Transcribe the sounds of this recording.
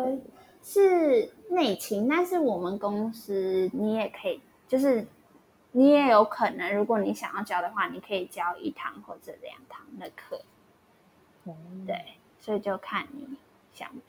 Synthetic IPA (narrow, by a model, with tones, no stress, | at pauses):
ʂɻ̩˥˧ne˥˩ɪt͡ɕʰi˧˥ŋt̪a˥˧nʂɻ̩˥˩wɔ˨˩mə˨˦nkʊ˦ŋs̩˦ni˧˥˦jɛ˨˩kʰɤ˧˥i˨˩ | t͡ɕjo˥˧ʊʂɻ̩˥˩ | ni˧˦˥jɛ˨˦˥jo˧˦˥ʊkʰɤ˨˩nə˦ŋɻu˧˥kwo˨˦ni˧˥˦ɕjɑ˨ŋjɑ˥˩ʊt͡ɕjɑ˥ʊd̪ə˨xwa˥˩ni˨˩kʰɤ˧˦i˨˩t͡ɕjɑ˥ʊʔḭ˥˩t̪ʰɑ̰˧˦ŋxwɔ̰˥˩ʈ͡ʂə˨˩ljɑ̰˨˦ŋt̪ʰɑ˧˦ŋd̪ə˨˧kʰɤ˥˩˦ | t̪wḛ˥˩ɪ | swɔ˧˥i˨t͡ɕjo˥˧ʊkʰa˥˩nːi˨˩˦ | ɕjɑ̰˨˩ŋ